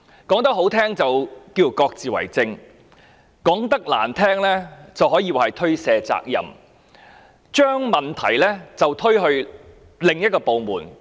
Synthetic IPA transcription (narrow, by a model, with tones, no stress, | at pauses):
kɔː˨˥ŋt̪̬ɐ˥k̚ɦo˨˥wt̪ʰɛː˥ŋt͡sɐ˨wkiː˧˥wkɔː˧k̚t͡siː˨˩wɐ̰˨˩jt͡sɪ˧ŋ | kɔː˨˥ŋt̪ɐ˥k̚la̰ː˨˩nt̪ʰɛː˥ŋlɛː˥t͡sɐ˨wɦɔː˨˥jiː˧waː˨˩hɐ˨˩jt̪ʰɵ˥ɥsɛː˧t͡sa̰ː˧k̚jɐ̰˨˩m | t͡ʃœː˥ŋmɐ˨nt̪ʰɐ˨˩jlɛː˥t͡sɐ˨wt̪ʰɵ˥ɥɦɵ˧ɥ | lɪ˨ŋjɐ˥t̚kɔː˧po˨˧wmuː˨˩n